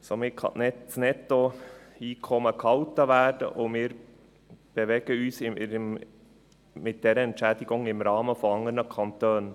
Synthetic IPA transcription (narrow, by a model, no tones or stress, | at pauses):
somɪkʰɑ̰nɛtsnɛtːoiːkʰɔməkʰɑltːəʋæːɾd̥ə̰ʔʊmɪːɾ | b̥eʋɛɡ̥əyːsɪ | mɪt̚d̥ɛɾəɛntʃɛːdɪɡʊŋɪmɾɑːməfɔɑŋəɾnəkʰɑnt̪øːn